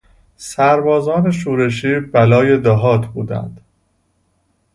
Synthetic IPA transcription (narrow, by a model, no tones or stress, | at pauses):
sæɾbɒːzɒːne̞ʃuːɾe̞ʃ̬iːbælɒːje̞d̪ɒɦɒːt̪ʰbuːd̪æ̰nd̪̥